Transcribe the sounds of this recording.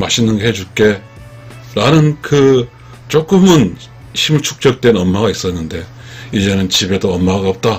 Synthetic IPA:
maɕʰinːɯnɡehe̞d͡ʑuk͈e̞ | ɾanɯnkɯ | t͡ɕ͈ok͈ɯmɯn | ɕʰimɯɭt͡ɕʰu̥k̚t͡ɕ͈ʌk̚t͈we̞nʌnmaɡais͈ʌnːɯnde̞ | id͡ʑe̞nɯnt͡ɕibe̞doʌnmaɡaʌp̚t͈a

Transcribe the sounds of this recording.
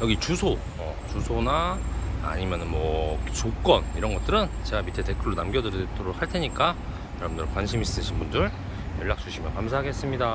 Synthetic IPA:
jʌɡit͡ɕusʰo | ʌ̰ | t͡ɕusʰonaa̰ɲimjʌnɯnmwʌt͡ɕok͈ʌniɾʌnɡʌt͈̚ɯɾɯnt͡ɕe̞ɡamitʰete̞kʰɯɭːunamɡjʌdɯɾtʰoɾok̚haɭtʰe̞ɲik͈a | jʌɾbundɯɾɯnkwanɕʰimis͈ɯɕʰinbundɯɭ | jʌɭːak̚t͡ɕ͈uɕʰimjʌnkams̬ʰaɦaɡes͈ɯmɲida

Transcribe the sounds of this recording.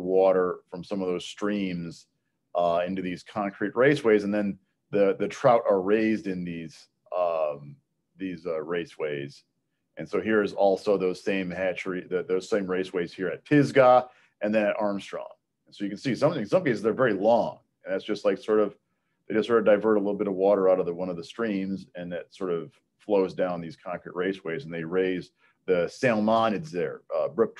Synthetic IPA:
wɔɾə˞fɹʌ̃msʌ̃mʌvðoʊz̥stɹ̥ĩmz̥ | ʔʌɪ̃ntʉðiz̥kʰɑ̃ŋkʰɹ̥it̚ɹeɪsweɪzɨ̃nðɨ̃n | ðɨðɨtʰɹ̥aʊɾʔə˞ɹeɪzdɨ̃nðiz̥ | ʌ̃m | ðizʌɹeɪsweɪz̥ | ʔɨ̃nsoʊɦiɹɨzɔlˠsoʊðoʊz̥sẽɪ̃mæt͡ʃɹiðɨðoʊz̥sẽɪ̃mɹeɪsweɪz̥hiɹɨt̚pʰɪzɡə | ʔɨ̃nðɨ̃ñɨɾʔɑɹmstɹ̥ɔ̰̃ʊ̃n | nsoʊjɨkɨ̃n̩sisʌ̃mθɪ̃ŋsʌ̃mkeɪsɨzðə˞vɛɹilɔ̃ŋ | ɨ̃nðætsd̥ʒ̥ʌst̚ˡlaɪksɔɹɾʌv̥ | ðeɪd͡ʒʌstsɔɹɾʌvdaɪvɜ˞ɾəlɪɾl̩ˠbɪɾʌvwɔɾə˞aʊɾʌvðəwʌ̃nʌvðəstɹ̥ĩmzɨ̃nðɨtsɔɹɾʌv̥ | floʊzdãʊ̃nðiz̥kʰɑ̃ŋkɹḭʔ̚ɹeɪsweɪzn̩ðeɪɹeɪz | ðɨsælˠmɑ̃nɨdzðə˞ʌbɹɪp̚t

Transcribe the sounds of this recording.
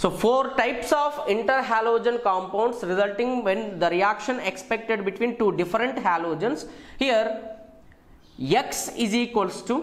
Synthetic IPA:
soːfoːɾʈaɪpsɔːfɪ̃ɳʈəɾɦæːloːd͡ʒə̃nkɔ̃ːmpãʊ̃ɳɖsɾɪzəlʈɪ̃ŋɡʋɛ̃nd̪əɾiækʃə̃nekspek̚ʈeɖbɪʈʋĩːnʈuːɖɪfəɾə̃ɳʈɦæːloːd͡ʒə̃nshiəɾ | jeksiziːkʋəlsʈu

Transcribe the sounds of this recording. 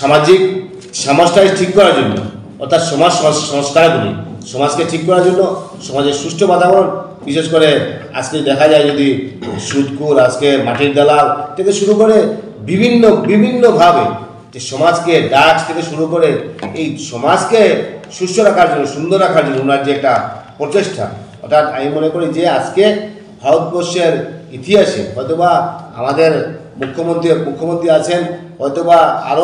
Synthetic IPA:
ʃamad͡ʑik | ʃamɔsʈʰaeʈʰikːɔɾaɾd͡ʒonːo̰ | ɔ̰ɾt̪ʰat̪ʃɔmad͡ʑsɔssɔŋskʰankuɾḭʃɔmad͡ʑkeʈʰikːɔɾaɾd͡ʒonːo | ʃɔmad͡ʑesusʈʰobat̪abɔn | biʃeʃkɔɾe | a̰d͡ʑked̪ɛkʰad͡ʒaed͡ʒod̪isut̪kuɾad͡ʑkeɾmaʈiɾd̪alalt̪et̪eʃuɾukɔɾe | bibʱinːobibʱinːobʱabe | d͡ʑeʃɔmad͡ʑkeɖakt̪ʰekeʃuɾukoɾeejʃɔmad͡ʑkeʃuʃːoɾakʰaɾd͡ʑonːoʃund̪ʱoɾːakʰaɾd͡ʑonːounaɾd͡ʑeɛk̚ʈapɾot͡ɕeʃʈʰa̰ | ɔ̰ɾt̪ʰat̪a̰mimonekoɾid͡ʑead͡ʑke | bʱaɾot̪̚boʃeɾit̪ʰiaʃḛɦɔjt̪obaa̰mad̪eɾ | mukʰːomont̪imukʰːomont̪ɾiat͡ɕʰenɦɔjt̪obaa̰ɾo

